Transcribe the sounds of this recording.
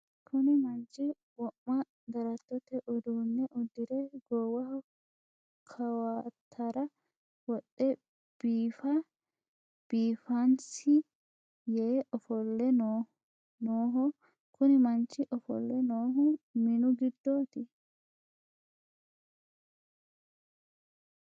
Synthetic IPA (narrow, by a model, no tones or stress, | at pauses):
kʰʊnɪmɐnt͡ʃːɪ | wɔʔːɐ | d̪ɐɾɐt̪ːɔt̪ɛʔɔd̪uːnːɛʔʊd̪ːɪd̪ɛɡɔːwɐhɔ | kʰɐwaːt̪ʰːɐɾɐ | wɔɗːɛ | b̥iːfɐ | b̥iːfɐnsɪ | jeːɔfɔlːɛno | noːɦɔ | kʊnɪmɐnt͡ʃːɪʔɔfɔ̰lːɛnoːɦʊmɪnʊɡɪd̪ːoːt̪ɪ